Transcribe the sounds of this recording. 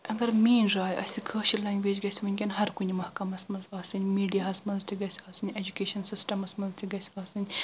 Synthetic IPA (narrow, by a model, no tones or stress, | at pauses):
ɐɡɐɾmiːnɾaːjʔɐ̰sʲikʰəːʃilɛ̃ːŋɡʋeːd͡ʒɡɐsʲiʋɐnʲɡʲɐnɦɐɾkunʲimɐhkɐmɐsmɐnzaːsɨnʲmiːɖijaɐsmɐnzt̪ʰiɡɐsʲiaːsɨnʲed͡ʒukʲeːʃɐnsisʈɐmɐsmɐnzt̪ʰiɡɐsʲaːsɨnʲ